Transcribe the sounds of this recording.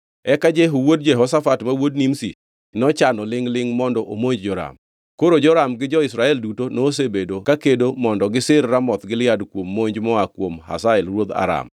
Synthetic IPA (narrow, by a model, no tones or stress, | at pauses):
ɛkad͡ʒɛɦowod̚d͡ʒɛɦɔsafatmawod̚nimsḭ | nɔt͡ʃanɔlɪŋlɪŋmɔndɔʔomoɲd͡ʒd͡ʒɔɾa̰m | koɾod͡ʒɔɾamɡɪd͡ʒɔɪsɾaɛldutonos̬ebedokakedomɔndɔɡɪsɪrːamɔt̪ɡɪlɪadkwomːoɲd͡ʒmɔakwomha̰saɪlɾwod̪a̰ɾa̰m